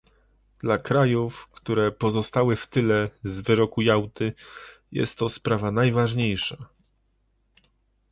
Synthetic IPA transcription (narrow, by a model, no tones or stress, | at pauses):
d̪̥lakɾajufkt̪uɾɛpɔzɔst̪awɘft̪ɘlɛzvɘɾɔkujawt̪ɘjɛ̰st̪ːɔspɾavanajvaʐɲejʂa